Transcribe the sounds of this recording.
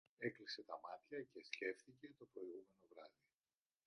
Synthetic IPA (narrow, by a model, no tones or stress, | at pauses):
e̞klise̞t̪ɐmɐt̪çɐce̞sce̞fθice̞t̪o̞pɾo̞iɣume̞no̞vɾɐði